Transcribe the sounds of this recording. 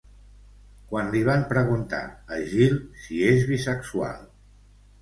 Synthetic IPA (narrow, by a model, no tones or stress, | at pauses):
kwanliβ̞ampɾəɣunt̪a̰əʒilsiezβisəksua̰lˠ